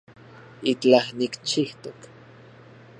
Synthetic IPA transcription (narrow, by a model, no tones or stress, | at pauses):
it͡ɬahnikt͡ʃiht̪ok